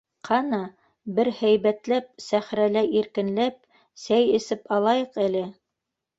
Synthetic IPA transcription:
qʰɑnɑ | bɘɾhæjβæt̪læp̚sæχɾælæʔiɾkɘ̆nlæp̚ | sæjɘ̆sɘpɑlˠɑjɤqælɘ

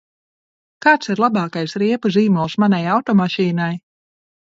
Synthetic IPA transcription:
kaːt̪siɾlˠabɑːkajsɾiɛpuziːmɔlˠsmanajawt̪ɔmaʃiːnaj

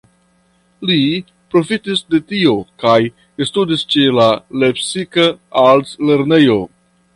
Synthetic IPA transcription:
li | pɾo̞fitisde̞tio̞kaj | studist͡ʃe̞lale̞psikaalsle̞ɾne̞jo̞

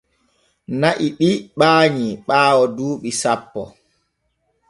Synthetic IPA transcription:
naʔiɓiɓaːɲiɓaːwɔduːɓisapːɔ̰

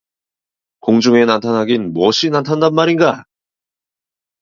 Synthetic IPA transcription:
koŋd͡ʑuŋe̞nantʰanɦaɡinmwʌɕʰinantʰandanmaɾinɡa

